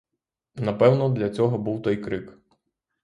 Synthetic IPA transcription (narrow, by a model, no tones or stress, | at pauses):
nɐpɛwnɔd̪lʲɐt͡sʲɔɦɔbuwt̪ɔjkɾɪk